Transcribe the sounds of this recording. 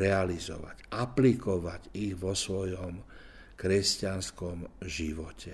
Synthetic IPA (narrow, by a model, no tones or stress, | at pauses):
ɛalizɔ̰ʋa̰ɟʔaplikɔʋaɟiɣʋɔsʋɔjɔm | kɾɛscanskɔmʒiʋɔcɛ